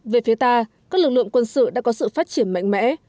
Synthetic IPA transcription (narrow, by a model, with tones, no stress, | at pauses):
ve˨˩fi˨˦ət̪aː˧kaː˦˥k̚lɨ˨˩k̚lɨ̰˧˨əŋkwə˧nsɨ̰˧˨ɗa̰ː˧˥kɔ˨˦sɨ̰˧˨faː˦˥t̚t͡ɕi˧˩ənma̰˧˨jŋ̟mɛ̰˧˥